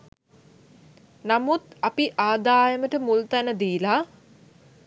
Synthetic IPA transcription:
namut̪apiʔaːd̪aːjəməʈəmult̪ænəd̪iːla

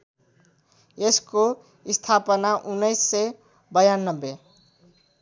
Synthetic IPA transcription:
esko | ist̪ʰapʌnaʔunːʌjsːʌj | bʌjanːʌbːe

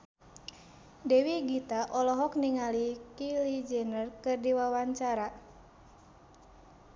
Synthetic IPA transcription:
dɛwiɡit̪aʔɔlɔɦɔk̚niŋalikilid͡ʒɛnərkɨrdiwawaɲt͡ʃaɾa

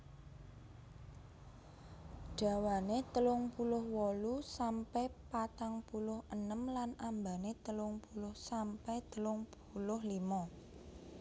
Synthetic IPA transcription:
ɖ̥ä̤wanet̪əlʊŋpulʊhwɔlusampɛpat̪aŋpulʊhənəmlanambanet̪əlʊŋpulʊhsampɛt̪əlʊŋpulʊɦlimɔ

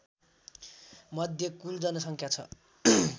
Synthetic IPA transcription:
mʌd̪ʱjʌkuld͡zʌnʌsʌŋkʰjat͡sʰʌ̰

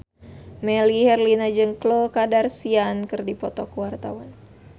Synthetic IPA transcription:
mɛlihɛrlinad͡ʒɨŋklokadarsiankɨrdipɔt̪ɔkuwart̪awan

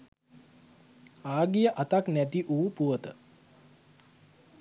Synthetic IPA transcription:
aːɡijəʔat̪aknæt̪iʔuːpuət̪ə

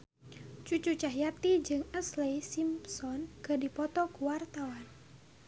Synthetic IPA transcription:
t͡ʃut͡ʃut͡ʃaɦjat̪id͡ʒɨŋəslejsimsɔnkadipɔt̪ɔkuwart̪awan

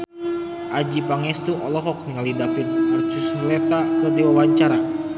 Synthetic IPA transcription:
ʔad͡ʒipaŋɛst̪uʔɔlɔɦɔk̚niŋalidapinpərt͡ʃuslɛt̪akɔdiwawaɲt͡ʃaɾa

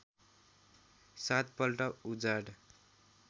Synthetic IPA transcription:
sat̪̚pʌlʈʌud͡zaɽ

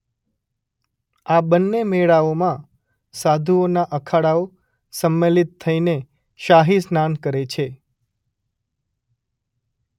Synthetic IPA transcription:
abənːemeɭaomã | sad̪ʱuonaʔəkʰaɽao | səmːelit̪ʰːəine | ʃaɦisnankəɾet͡ʃʰe

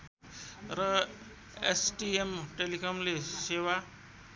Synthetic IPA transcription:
ɾʌ | ḛsʈiemʈelikɔmlesewa

